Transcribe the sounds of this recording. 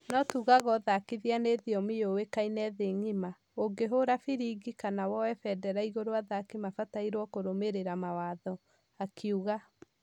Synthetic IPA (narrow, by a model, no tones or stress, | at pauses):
nɔtuːɣaɣɔðakiðianeðiɔmijowekainɛðeŋima | oɡeɦoɾafiɾiɡikanawɔɛfɛdɛɾaiɣoɾoaðakimafataiɾwɔkoɾomeɾeɾamawaðɔ | akʰiuɣa